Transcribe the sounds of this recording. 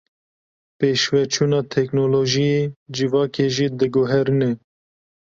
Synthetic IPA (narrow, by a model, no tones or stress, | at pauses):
peːʃwɛt͡ʃʰuːnɑːt̪ʰɛknoloːʒijed͡ʒivɑːkeʒiːd̪ɨɡoɦɛɾɨnɛ